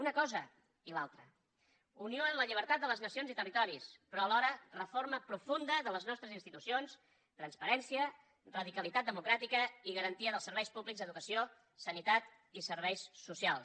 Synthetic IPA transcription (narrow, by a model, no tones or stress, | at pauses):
unəkɔzə | ilalˠt̪ɾə | unioənləʎiβ̞əɾt̪at̪d̪ələznəsionzit̪ərit̪ɔɾispɾɔəlɔɾərəfoɾməpɾufund̪əðələznɔst̪ɾəzinst̪it̪usions | t̪ɾənspəɾɛnsiə | rəðikəlˠit̪at̪̚d̪əmukɾat̪ikəiɣəɾənt̪iəðəlˠsəɾβɛjspuβlikzðəðukəsio | sənit̪at̪ | isəɾβ̞ɛjsːusialˠs